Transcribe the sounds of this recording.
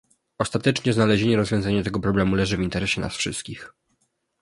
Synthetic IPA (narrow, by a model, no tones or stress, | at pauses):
ɔst̪at̪ɛt͡ʂɲɛznalɛʑeɲɛɾɔzvʲjɔ̃zaɲɛt̪ɛɡɔpɾɔblɛmulɛʐɘvint̪ɛɾɛɕɛna̰sfʂɘ̰st̪̚kʲix